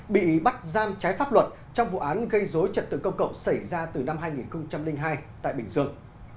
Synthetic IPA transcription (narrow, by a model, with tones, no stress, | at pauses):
ɓḭ˧˨ɓa˦˥t̚zaː˧mt͡ɕaː˨˦jfaː˦˥p̚lwə˨˩t̚ | t͡ɕɔ˧wŋ͡mvṵ˧˨ʔaː˨˦nɣə˧jzo˨˦jt͡ɕə˨˩t̚t̪ɨ̰˧˨kə˧wŋ͡mkə̰˧˨wŋ͡msa˧˩jzaː˧t̪ɨ˨˩na˧mɦaː˧jŋi˨˩nxə˧wŋ͡mt͡ɕa˧mlï˧ŋɦaː˧jt̪a̰ː˧˨jɓï˨˩ŋ̟zɨ˧əŋ